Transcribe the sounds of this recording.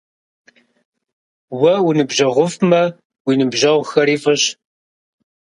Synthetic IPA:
wɐwinɨbʑɐʁʷʊfmɐ | wiːnɨbʑɐʁʷxɐɾiːfʼɐɕ

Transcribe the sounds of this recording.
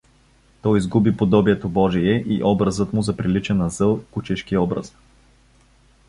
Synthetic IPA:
t̪ɔjizɡubipod̪ɔbiɛt̪obɔʒiɛʔiʔɔbɾɐzɤt̪mʊzɐpɾilit͡ʃɛnɐzɤlˠkut͡ʃɛʃkiɔbɾə̰s

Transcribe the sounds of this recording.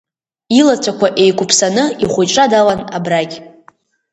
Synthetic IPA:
ilat͡sʷʰakʷʰaʔejkʷʊpʰsanɨiχʷʊʈ͡ʂʼadawana̰braɡʲ

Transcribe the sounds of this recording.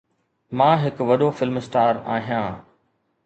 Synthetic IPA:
mãːɦɪkʋɐɗofɪlmsʈaːɾaːɦijãː

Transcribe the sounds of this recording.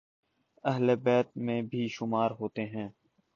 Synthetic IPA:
ɐɦlebɛːt̪̚mẽbʱiːʃʊmaːɾɦoːt̪eɦɛ̃ː

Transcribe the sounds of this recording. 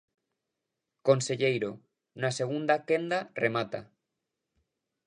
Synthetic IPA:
konseʎejɾo | naseɣ̞und̪akend̪aremat̪a̰

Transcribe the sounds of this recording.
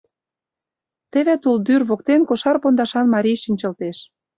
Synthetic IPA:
t̪ĕβæt̪uld̪yrβok̚t̪enkoʃɑrpond̪ɑʃɑnmɑɾʲijʃinʲt͡ɕɤ̆lt̪eʃ

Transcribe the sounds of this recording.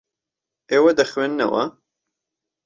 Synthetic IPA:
ewɐd̪ɐxwenːɐ̰wɐ̰

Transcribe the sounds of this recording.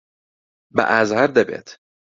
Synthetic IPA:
bæ̰ʔæzhæɾd̪ɛbḛt̪

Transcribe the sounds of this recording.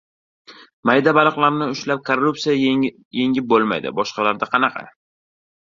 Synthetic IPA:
majd̪abalˠɨqlˠaɾnɪʊʃlap̚kʰorːupsija | je̞ŋʲɪp̚bolˠma̰jd̪ɪ̰bɒʃqɑlaɾd̪aqʰɑnɑqʰɑ̰

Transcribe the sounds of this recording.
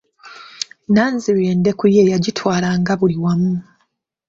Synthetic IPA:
naːnziɾeːnde̞kujejaɟitʰwaːlaŋɡaβuliwamu

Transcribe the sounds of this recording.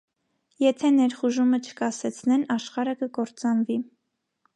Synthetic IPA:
jɛt̪ʰɛnɛɾχuʒumət͡ʃʰə̥kɑsɛt͡sʰnɛnɑʃχɑɾəkəkɔɾt͡sɑnvi

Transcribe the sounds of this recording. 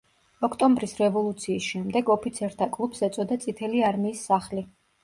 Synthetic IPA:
ɔkʰt̪ʼɔmbɾisɾɛvɔlˠut̪sʰiːsʃɛmd̪ɛɡɔpʰit̪sʰɛɾt̪ʰakʼlˠupsɛt̪sʼɔd̪at̪sʼit̪ʰɛliaɾmiːsːaχli

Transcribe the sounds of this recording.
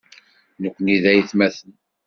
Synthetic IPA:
nəkʷːəniðæjiθmæθən

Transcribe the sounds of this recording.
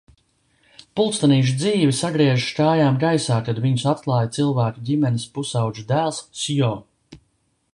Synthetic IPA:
pulˠt̪st̪aniːʒ̬d̪ziːvisaɡɾiɛʒskaːjaːmɡajsaːkad̪viɲusat̪̚klˠɑːjt̪silˠvæːkudʲimɛnispusawʒud̪æːlˠssijɔː

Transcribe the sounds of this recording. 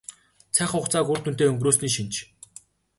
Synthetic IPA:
t͡sʰæːχʊχt͡saːkʊr̥t̪ʰun̥t̪eːɵŋɡroːs̬niːkʃint͡ɕ

